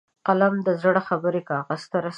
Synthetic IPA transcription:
qalamd̪əzəɽaxabəɾekɑɣəst̪aɾas

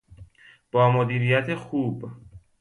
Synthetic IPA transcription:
b̥ɒːmod̪iːɾiːjæt̪ʰexuːb

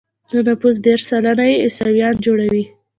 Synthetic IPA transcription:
d̪̥ənapus̬d̪eɾʃsalanajeɪsawjɑnd͡ʒoɽawi

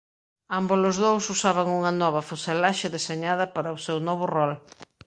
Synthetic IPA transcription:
ambolʊzðowsusaβɐŋuŋɐnɔβɐfoselaʃɪðeseɲaðɐpaɾɐosewnɔβʊrɔl

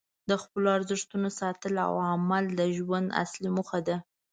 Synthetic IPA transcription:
d̪əxpəloaɾzəʂt̪unosɑt̪əla̰wamald̪əʒwand̪a̰slimuxad̪a

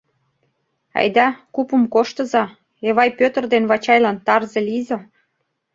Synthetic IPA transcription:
ɑ̰jd̪ɑkupəmkoʃt̪ɤ̆zɑ | eβɑjpøt̪ə̆rd̪enβɑt͡ɕɑjlɑnt̪ɑrzelize

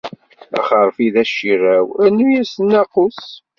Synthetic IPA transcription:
æ̰χəɾˤfiðæʃiræwænujæsənːæqʊs

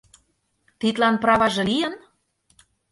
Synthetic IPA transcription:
t̪it̪lɑnprɑβɑʒɤ̆lijə̆n

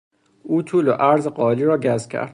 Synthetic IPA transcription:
uːt̪ʰuːloʔæɾzeɢɒːliːɾɒːɟæzkʲʰæ̰ɾd̪̥

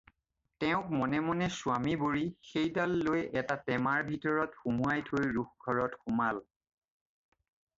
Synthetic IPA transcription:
tɛʊ̃k̚mɔnɛmɔnɛsʊamiboɹixejdalːojɛtatɛmaɹbʱitɔɹɔtxumuajtʰojɹuxɡʱɔɹɔtxumal

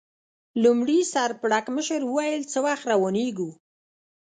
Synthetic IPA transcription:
lumɽisaɾpɽakməʃəɾwəwajəlt͡səwaxt̪ɾawoneɡu

